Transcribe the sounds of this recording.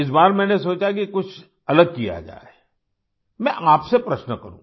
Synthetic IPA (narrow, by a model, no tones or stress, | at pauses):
ɪs̬baːɾmɛ̃ːnesoːt͡ʃak̬ikʊt͡ʃʰ | ɐləɡ̚kija̰d͡ʒa̰ːe | mɛ̃ʔaːpsepɾɐʃnəkɐɾũː